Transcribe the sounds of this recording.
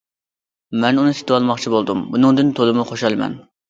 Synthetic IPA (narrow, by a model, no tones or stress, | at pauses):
mɛnunɨt̪ʰɪ̥t̪ʰɪwɑlˠmɑχt͡ʃʰibolˠd̪umbunɨŋd̪ɨnt̪ʰolˠɨmuχoʃɑlˠmɛ̰n